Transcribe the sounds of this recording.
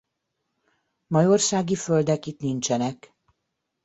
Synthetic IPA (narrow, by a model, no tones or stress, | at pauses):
mɒjo̞rsaːɡiføld̪ɛkit̪nint͡ʃɛnɛk